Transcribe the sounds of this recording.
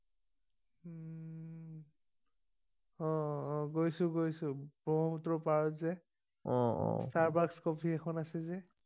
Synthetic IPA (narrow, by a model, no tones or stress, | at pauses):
ɔ̃ɡojsʊɡojsʊ̃b̥ɔɦɔmutɹɔpaɹɔzɛ | ɔ̃ɔ̰staɹbakskɔpʰiɛkʰɔnasɛzɛ